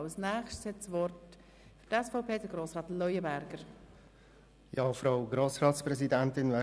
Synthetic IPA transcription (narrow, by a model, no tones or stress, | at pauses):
snɛːχʃtshɛtsʋɔrt | fyɾtɛsfaʊpʰeːdəɡ̥ɾoːsɾɑːt̪lɔjəbæɾɡ̥əɾ | jɑːfɾaʊɡɾoːsɾɑːt̪spɾɛsidæntɪnvɛ